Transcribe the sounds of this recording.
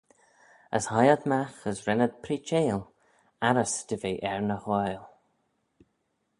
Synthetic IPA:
ə̰shajəd̪maxəsɾɛnəd̪̚pʰɾiːt͡ʃeːl | aɾəsd̥̪əveːʔɛɹnəxwɔjl

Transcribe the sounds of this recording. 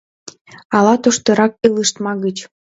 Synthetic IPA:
ɑlɑt̪oʃt̪ɤ̆ɾɑk̚ɯlɯʃt̪mɑɣət͡ɕ

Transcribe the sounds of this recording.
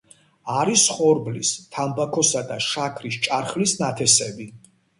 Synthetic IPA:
aɾisχɔɾblist̪ʰambakʰɔsad̪aʃakʰɾist͡ʃʼaɾχlisnat̪ʰɛsɛbi

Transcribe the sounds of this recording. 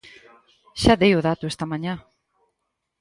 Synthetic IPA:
ʃad̪ejoðat̪uest̪amaɲa

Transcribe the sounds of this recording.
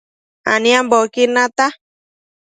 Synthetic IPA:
a̰nĩambokinãt̪a

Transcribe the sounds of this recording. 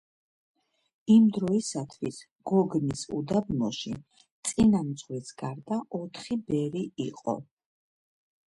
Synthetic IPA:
imd̪ɾɔisat̪ʰwis | ɡ̥ɔɡnisṵd̪abnɔʃḭ | t̪sʼinamd̪zʁwisɡ̥aɾd̪aʔɔt̪ʰχibɛɾiiqʼɔ̰

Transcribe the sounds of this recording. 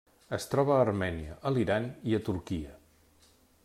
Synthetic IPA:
əst̪ɾɔβəːrmɛniəʔəliɾaniət̪uɾkiə

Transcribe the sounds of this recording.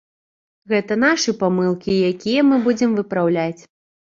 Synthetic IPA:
ɣɛt̪ɐn̪aʂɨpamɨlˠkʲijakʲijɐmɨbud͡zʲɛmvɨpɾawlʲat͡sʲ

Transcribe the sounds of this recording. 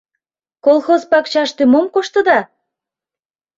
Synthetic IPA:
kolˠxozpɑkt͡ɕɑʃt̪ymomkoʃt̪ə̆d̪ɑ

